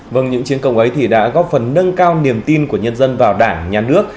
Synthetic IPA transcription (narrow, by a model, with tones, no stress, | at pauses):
və˨˧˩ŋɲɨ̰˧˥ŋt͡ɕi˨˦ənkə˧wŋ͡mʔə˨˦jt̪ʰi˨˩ɗa̰ː˧˥ɣɔ˦˥t̚fə˨˩nːə˧ŋkaː˧wni˨˩əmt̪i˧nku˧˩əɲə˧nzə˧nvaː˨˩wɗaː˧˩ŋɲaː˨˩nɨ˦˥ək̚